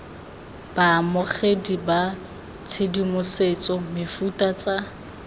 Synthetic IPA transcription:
b̥amʊχediba | t͡sʰedimʊset͡sʼɔmɪfutʼat͡sʼa

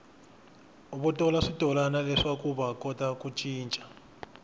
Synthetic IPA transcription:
uɓɔtʼɔlaʂid̥ʱʼɔlanalɛʂakʼuɓakʼɔtakʼut͡ʃʼiːnt͡ʃʼḁ

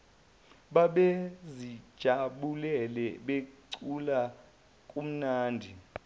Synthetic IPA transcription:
ɓaɓezi̥ʒ̥ʱaɓulɛlɛɓekǀula | kʼum̩naːndʱi

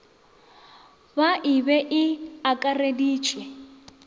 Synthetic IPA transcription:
baʔɪbɛʔɪakʼarediːt͡ʃʰʼwɛ

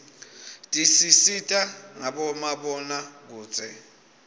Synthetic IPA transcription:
tʼisisitʼaŋaɓɔmaɓɔnak̬u̥ːt͡sʰʼɛ

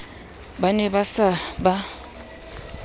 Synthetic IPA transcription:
banɛbasaba

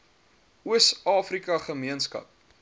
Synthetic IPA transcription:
uəsɑːfrikɐχəmiənskɐ̰p̚

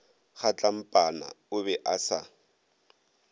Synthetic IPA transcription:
χat͡ɬʼam̩pʼana̰ | ʊbɛʔasa

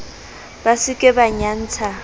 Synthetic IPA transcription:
basɪkʼɛbaɲan̩ːt͡sʰa

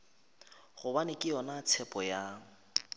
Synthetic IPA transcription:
ɣʊbanɪkʼɪɔnat͡sʰɛpʼɔja

